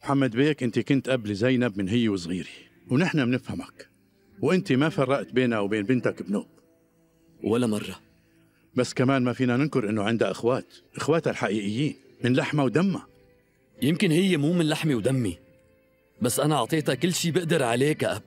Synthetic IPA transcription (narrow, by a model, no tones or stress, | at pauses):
mħamːad̪beːkʔɪnt̪ikʊnt̪ʔablizajnabmɪnɦɪjːwɪs̬ˤɣiːɾi̥ | wnɪħnamnɪfhamak | wʔɪnt̪imafɑrˤːɑʔt̪beːnawbeːnbɪnt̪akbnoːʔ | wʔalːamɑrˤːɑ | basːkamaːnmafiːnanɪnkʊɾʔɪnːʊʕɪnd̪aʔɪxwaːt̪ʔɪxwaːt̪alħaʔiːʔɪjːiːn | mɪnlaħmawd̪amːa | jɪmkɪnhɪjːemuːmɪnlaħmiwd̪amːi | basːʔanaʔɑʕt̪ˤeːt̪akɪlːʃiːbɪʔd̪ɑɾˤʕaleːkaʔab